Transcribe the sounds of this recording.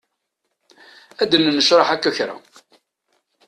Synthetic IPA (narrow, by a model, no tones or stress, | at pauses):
æd̪nnəʃɾˤɑħækːæɾa̰